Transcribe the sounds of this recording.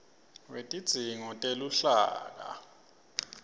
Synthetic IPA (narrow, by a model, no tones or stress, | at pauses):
wetʼid̥z̥ʱiŋɔtʼeluɬa̰ːk̬a̰